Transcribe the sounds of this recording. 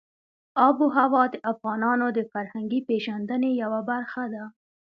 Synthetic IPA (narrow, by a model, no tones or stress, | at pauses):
ɑbuɦawɑd̪əʔafɣɑnɑnod̪əfaɾhaŋɡipeʒand̪ənejawabaɾxad̪a